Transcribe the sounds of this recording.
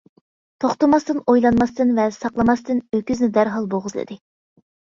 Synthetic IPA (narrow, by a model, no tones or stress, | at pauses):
t̪ʰoχt̪ɨmɑst̪ɨnojlˠɑnmɑst̪ɨnvɛsɑqlˠɑmɑst̪ɨnøkʲyznɪd̪æɾɦɑlˠboʁəzlˠɨ̰d̪ɪ